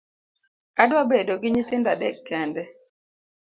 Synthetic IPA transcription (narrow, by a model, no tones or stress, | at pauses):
adwabedoɡɪɲit̪ɪndadɛkːɛndɛ